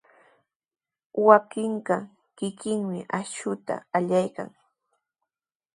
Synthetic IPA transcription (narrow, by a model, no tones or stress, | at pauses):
wakɪɴɢɑ | kɪkɪŋmɪʔaʃʊt̪a̰aʎajka̰ŋ